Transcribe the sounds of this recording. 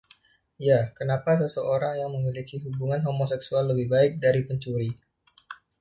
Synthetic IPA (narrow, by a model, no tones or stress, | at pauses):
jakənapasəsəoɾaŋjaŋməmilikiɦubuŋanɦomosɛksualːəbɪhbaɪk̚daɾipəɲt͡ʃuɾi